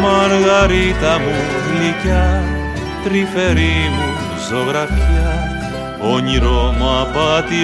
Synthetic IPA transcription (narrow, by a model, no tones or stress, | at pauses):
mɐɾɣɐɾit̪ɐmuvlicɐ | t̪ɾifeɾimu | zoɣɾɐfiɐ | oɲiɾomapɐt̪i